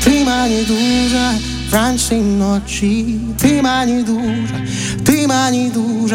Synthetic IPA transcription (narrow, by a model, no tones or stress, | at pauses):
t̪ɾimaɲid̪uza | ɾansinːɔt͡ʃːi | t̪ɾimaɲid̪uʐa | t̪ɾimaɲid̪uʐ